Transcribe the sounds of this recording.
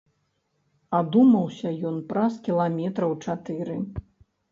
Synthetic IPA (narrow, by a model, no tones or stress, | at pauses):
ad̪umɐwsʲɐjɔnpɾaskʲilˠamʲɛt̪ɾɐwt͡ʂat̪ɨɾɨ